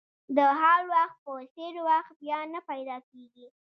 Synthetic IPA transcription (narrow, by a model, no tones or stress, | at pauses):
d̪əɦaɾwaxt̪̚pəseɾwaxt̪̚bjɑnapajd̪ɑkeɡi